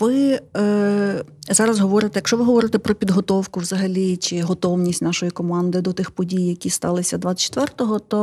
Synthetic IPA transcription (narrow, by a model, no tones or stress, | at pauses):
ʋɪ | zɑɾɐzɦɔʋɔɾɪt̪ɛjɐkʃt͡ʃɔʋɪɦɔʋɔɾɪt̪ɛpɾɔpʲid̪ɦɔt̪ɔwkʊwz̥ɐɦɐlʲit͡ʃɪɦɔt̪ɔwnʲisʲtʲnɑʃɔjikɔmɑnd̪ɪd̪ɔt̪ɪxpɔdʲijjɐkʲist̪ɑlˠɪsʲɐd̪ʋɑ̥t͡ʃt̪ʋɛrt̪ɔɦɔt̪ɔ